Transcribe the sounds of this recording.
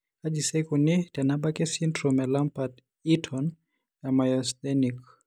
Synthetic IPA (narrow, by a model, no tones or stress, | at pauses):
ad͡ʒisɛkunitɛnaɓakɛsintɾɔmɛlampat | itʰɔn | jamajɔsdɛnik